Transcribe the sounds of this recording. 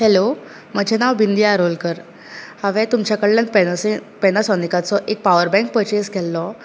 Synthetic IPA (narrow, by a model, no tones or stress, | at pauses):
helo | m̤əd͡ʑʱenaʋbind̪ijaɾolkəɾ | haʋɛ̃t̪umt͡ɕjakəɽlanpespenasɔnikat͡sɔʔek̚paʋəɾbɛ̃ŋk̚pət͡ɕeskɛlːɔ